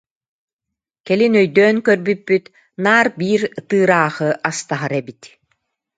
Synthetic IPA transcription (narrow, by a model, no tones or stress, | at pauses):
kɛlinœjd̪œːŋkœɾbypːyt̪ | naːɾbiːɾt̪ɯːɾaːχɯʔast̪aɦaɾɛbit̪